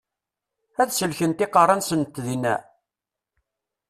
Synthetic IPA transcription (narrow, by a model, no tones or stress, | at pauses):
æðsəlçənt̪ɪqɑrˤːɑnsənt̪ðinæ̰